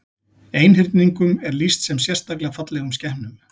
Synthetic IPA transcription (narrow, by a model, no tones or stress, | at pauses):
eːjnɦɪɾt̪niŋkʏmɛɾlist̪sɛmsjɛr̥st̪aklɪafat̪lɛɣʏmscɛhmnʏm